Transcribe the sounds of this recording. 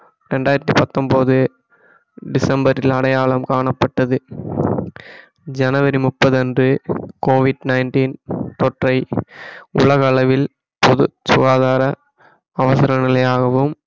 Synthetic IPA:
ɾɛɳɖaːjɪɾɐt̪ːipɐt̪ːɔmpoːðɯ | ɖɪsɐmbɐɾɪlɐɽɐjaːɭɐmkaːɳɐpːɐʈːɐðɯ | d͡ʒɐnɐʋɐɾimʊpːɐðɐndrɯkoːʋɪɖnɐɪnʈiːnt̪ɔʈrɐɪ | ʊ̰ɭɐɣɐɐɭɐʋɪl | pɔðɯsʊɣaːðaːɾɐː | ʋɐsɪɾɐnɪlɐjaːɣɐʋɯm

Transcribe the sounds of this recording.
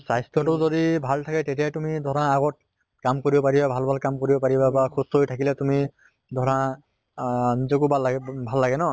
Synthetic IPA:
sajstɹɔtʊzodibʱaltʰakɛtetijajtumidʱɔɹãːɡɔt̚ | kamkoɹibɔpaɹibabʱalbʱalkamkoɹibɔpaɹibabakʰustɦojtʰakilɛtumi | dʱɔɹa | nizɔkubʱaabʱalːaɡɛnɔ

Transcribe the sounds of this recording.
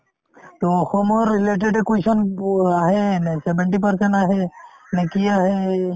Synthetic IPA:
t̪oɔxɔmɔɾːileʈ̬eɖekujsɔnaɦesɛbeɳʈipəɾsɛɳʈaɦe | nekiaɦe

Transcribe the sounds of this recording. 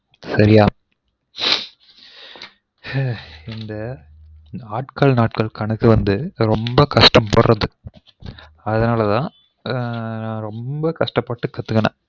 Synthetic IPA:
sɐɾɪjaː | ɪnd̪ɐ | naːʈkɐlnaːʈkɐɭkɐɳɯkːɯʋɐnd̪ɯɾɔmbɐkɐʂʈɐmpɐɽrɐðɯ | ɐðɐnaːlɐt̪ãː | nãːɾɔmbɐkɐʂʈɐpːɐʈːɯkːɐt̪ːɯkːɐnã̰ː

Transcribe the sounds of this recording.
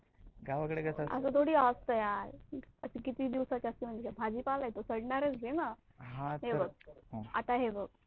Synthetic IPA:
ɡaʋakəɽeɡəsaə̰sət̪ʰoɽiːast̪əjaɾəsikit̪iːd̪iʋsat͡ɕəst̪iːm̤əɳd͡zekabʱad͡ʑiːpalajt̪osəɽɳaɾet͡sd͡zena | ɦãɦebɡ̚ɦoat̪aɦebəɡ̚

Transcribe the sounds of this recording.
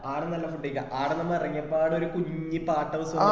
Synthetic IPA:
aːɽɐnɐlːɐfuɖːikːɐʔaːɽɐnɐmːɐɐrɐŋːɐpːaːɽo̞ɾukuɲɲːipaːʈːɐʋɐsɐ

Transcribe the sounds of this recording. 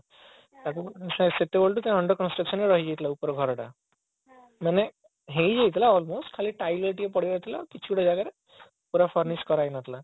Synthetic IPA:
t̪akuseset̪eboɭʈ̪ut̪j̃ãɔɳɖəɾkɔnsʈɾəksɔneɾɔɦid͡ʒajt̪ʰilaupɔɾɔɡʱɔɾɔʈa̰ | mane | ɦejd͡ʒajt̪ʰilaɔlmosʈkʰaliʈajlɔʈiepɔɽ̤iɾɔt̪ʰilakit͡ʃʰuʈɔd͡ʒaɡaɾe | puɾafʰɔɾniskɔɾajnat̪ʰla

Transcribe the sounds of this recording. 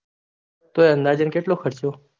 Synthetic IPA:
t̪oeə̃nd̪aːd͡ʒənkeʈloxəɾt͡ʃjoː

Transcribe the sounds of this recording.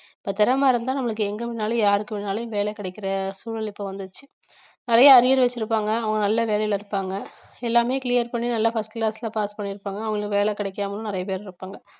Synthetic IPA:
ɪpːoːt̪ɪɾɐmaːɾɐmnt̪ãːnɐmːɐɭɯkːɯɛŋɡɐpɪnːaːlɐjaːɾɯkːɯpɪnːaːlɐjʊ̃ʋeːɭɛkːɪɽɛɪkːɪɾɐsuːɭɐlɪpːoʋɐnd̪ɯt͡ʃːɯ | nɪɾɐjaɐɾɪjɐɾʋɛt͡ʃːɪɾɯpːaːŋɡɐːʋɐŋɡɐnɐlːɐʋeːlɐjɪlɐɪɾɯpːaːŋɡɐɛlːaːmeːkɪlɪjɐɾpɐɳːinɐlːɐfɐsʈklaːslapaːspɐɳːiɾɯpːaːŋɡɐːʋɐŋɡɐɭkːʋeːɭɛkːɪɽɐɪkːaːmɐlʊ̃nɪɾɐjɐpeːɾɪɾɯpːaːŋɡɐ

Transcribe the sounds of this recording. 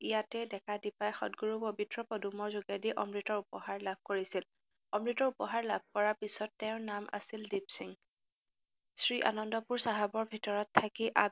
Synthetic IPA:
ijatɛdɛkʰadipajxɔ̰tɡuɹupobitɹɔpɔdumɔɹzuɡadiʔɔ̰mɹitɔɹupɔhaɹlab̚ʱkoɹisil | ɔmɹitɔɹupɔɦaɹlab̚ʱkɔɹaɹpisɔtːɛʊ̃namʔa̰sildibsiŋ | sɹiʔa̰nɔndɔpuɹsaɦabɔɹbʱitɔɹɔtʰːakiʔab̚

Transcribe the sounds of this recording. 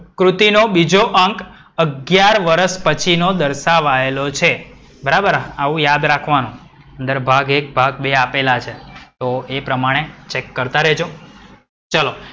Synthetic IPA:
kɾut̪inobid͡ʒoʔəŋk | əɡjaɾʋəɾəʃpət͡ʃʰinod̪əɾʃaʋaelot͡ʃʰe | bəɾabəɾaʋũjad̪ɾakʰʋanũ | ənd̪əɾbʱaɡek̚bʱaɡ̚beapelat͡ʃʰet̪oepɾəmaɽ̃et͡ʃekːəɾt̪aɾəɦd͡ʒõ | t͡ʃəlo

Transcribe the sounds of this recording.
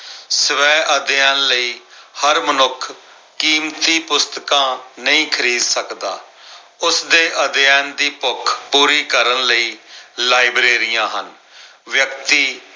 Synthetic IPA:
səʋɛːʔəd̪jɛːnləiːhəɾmənʊkʰ | kiːmt̪iːpʊst̪kãːnəĩːkʰəɾiːd̪səkd̪aː | ʊsd̪eːʔəd̪jɛːnd̪iːpʊkʰpuːɾiːkəɾənləiːlaːibɾeːɾɪjãːɦən | ʋjəkt̪iː

